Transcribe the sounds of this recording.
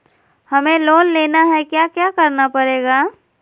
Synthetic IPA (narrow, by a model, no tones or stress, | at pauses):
hɐmẽloːnleːnaɦɛkjaːkjaːkɐɾnapɐɾeːɡaː